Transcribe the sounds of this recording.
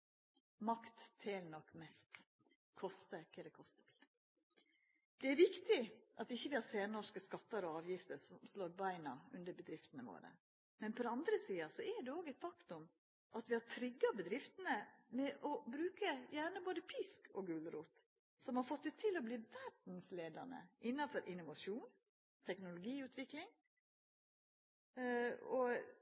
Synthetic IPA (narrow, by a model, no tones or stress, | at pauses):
mɑkt̪ʰːelnɔkːmɛst̪ | kʰɔst̪əkːəɾɛkʰɔst̪ət̪ɪl | d̪̥ɛæɾʋɪkt̪ɪʔɑt̪ɪçːəʋɪhɑɾseːnɔʂkəskɑt̪ːəɾɔɑːʋjɪft̪əɾsɔmsloːɾbæɪnɑʉ̰nd̪əɾbəd̪ɾɪft̪nəʋo̰ːɾə̰ | mɛnpʰɔɾɛɑnd̪ɾəsiːɑsɔɛɖɛoːɡɛɪt̪fɑkt̪ʊm | ʔɑt̪ʋɪhɑɾt̪ʰɾɪɡːɑbəd̪ɾɪft̪ənəmɛʔɔbɾʉːkəjæːɳəboːd̪əpʰɪskʰɔɡʉlɾuːt̪ | sɔmhɑɾfɔt̪ːɛt̪ʰːɪlɔbliːʋæɖn̩sleːd̪ɑnə̰ʔɪnːɑfɔɾʔɪnʊʋɑʂuːn | t̪ʰɛknʊlʊɡiːʉːt̪ʋɪklɪŋ | ɔ